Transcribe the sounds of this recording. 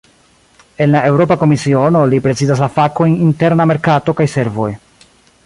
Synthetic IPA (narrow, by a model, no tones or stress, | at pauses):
e̞nlae̞wɾo̞pako̞misio̞no̞lipɾe̞t͡sizas̬lafako̞jninte̞ɾname̞ɾkato̞kajse̞ɾvo̞̰j